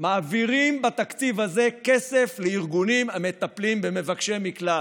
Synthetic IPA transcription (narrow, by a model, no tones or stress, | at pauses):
maːviʁimbat̪akt͡sivhaze̞ke̞se̞fleiʁɡunimame̞t̪aplimbe̞me̞vakʃe̞mikla